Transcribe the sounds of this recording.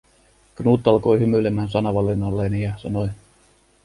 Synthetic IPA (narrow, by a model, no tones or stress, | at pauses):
ɡ̥nuːt̪ˑːɑlko̞jhymylemæːnsɑnɑʋɑlːinːɑlːenijɑsɑnoj